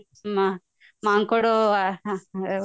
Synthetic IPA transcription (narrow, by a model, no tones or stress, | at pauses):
ma | maŋkoɽo